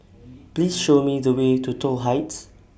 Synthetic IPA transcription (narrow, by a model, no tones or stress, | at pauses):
plisʃomidəwetutʰɔlɦaɪts